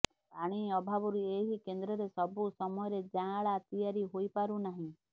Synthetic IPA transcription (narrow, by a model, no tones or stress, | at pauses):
paɽ̃iɔbʱabɔɾueɦikend̪ɾɔɾesɔbusɔmɔjɔɾed͡ʒãɭat̪ijaɾiɦojpaɾunaɦĩ